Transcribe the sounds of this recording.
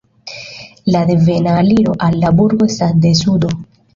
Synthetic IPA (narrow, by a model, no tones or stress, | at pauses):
lad̪e̞ve̞naːliɾo̞ʔalːabuɾɡo̞estasde̞sudo̞